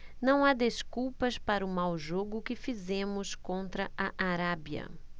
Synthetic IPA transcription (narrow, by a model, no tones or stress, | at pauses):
nɐ̃w̃ad̪eskuwpɐspaɾʊmawʒoɡʊkɪfizẽmʊskõnt̪ɾɐʔɐʔaɾabjɐ̰